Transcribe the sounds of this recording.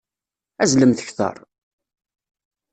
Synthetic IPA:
æzləmθə̥çθɑ̰ɾˤ

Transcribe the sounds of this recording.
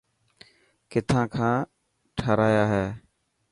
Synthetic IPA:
kɪt̪ʰãːkʰãː | ʈʰəɾaːjaːɦeː

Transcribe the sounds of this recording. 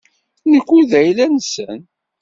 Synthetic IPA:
nəkʷːuðæjlænsə̰n

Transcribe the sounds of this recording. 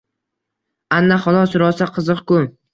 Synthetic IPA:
anːaχɒlˠɒsɾɒsaqʰɨzɨqkʊ

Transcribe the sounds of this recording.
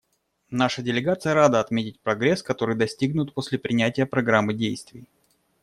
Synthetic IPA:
naʂədʲɪlʲɪɡat̪sɨjəɾad̪əɐt̪mʲetʲɪt̚ʲpɾɐɡɾʲeskɐt̪o̞ɾɨjd̪ɐsʲtʲiɡnʊt̪̚po̞sʲlʲɪpɾʲɪnʲætʲɪjəpɾɐɡɾamːɨdʲejst̪vʲɪj

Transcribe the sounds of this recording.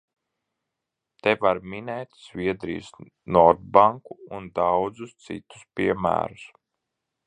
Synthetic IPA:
t̪ɛvaɾminɛjt̪z̥vʲiɛd̪ɾḭj̰s | nɔɾd̪̚baŋkuund̪awd̪zust̪sḭt̪u̥spʲiɛmæ̰ːɾus

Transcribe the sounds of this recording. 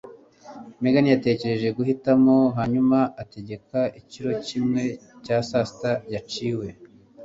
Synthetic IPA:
meɡanijate̞ce̞ɾe̞ʒe̞ɡuhitamo̞ɦaɲumaʔate̞ɟe̞kaiciɾo̞cimŋe̞caːsasitajat͡ʃiːwe̞

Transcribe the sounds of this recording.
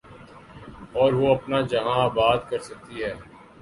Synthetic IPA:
ɔːɾʋoɐpnad͡ʒɐɦãbaːd̪kɐɾsɐk̚t̪iɦɛː

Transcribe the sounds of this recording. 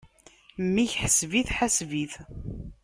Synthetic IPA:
mːiçħəsviθħasviθ

